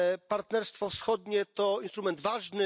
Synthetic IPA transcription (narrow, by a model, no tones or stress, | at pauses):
paɾt̪nɛɾst̪fɔfsxɔd̪ɲɛt̪ɔinst̪ɾumɛnd̪vaʐnɘ